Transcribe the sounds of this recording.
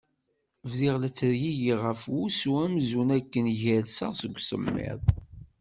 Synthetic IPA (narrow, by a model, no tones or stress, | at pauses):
vðiʁlæt͡sːəɾjijiʁəfwusuæmzunækːənʝæɾsəʁsəɡʷːsə̰mːɪ̰ðˤ